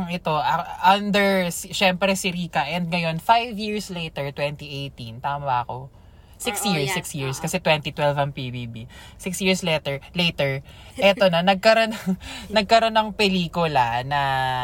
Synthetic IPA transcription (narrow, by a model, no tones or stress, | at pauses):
ŋɛt̪o̞ʔɐʔɐnd̪ɛɹsʃɛmpɾɛsɪɾiːkɐʔɛnd̪̚ŋɐjo̞nfajvjiɹslejt̪ɛɹt̪wɛnt̪iʔejt̪ĩnt̪aːmɐʔɐko̞ | sɪksjiɹsɪksjiɹskɐsɛt̪wɛnt̪it̪wɛlvɐŋpibibi | sɪksjiɹsleːt̪ɛɹlet̪ɛɹ | ʔɛt̪o̞nɐnɐɡ̚kɐɾo̞nɐnɐɡ̚kɐɾo̞nɐŋpɛliːkʊlɐnɐ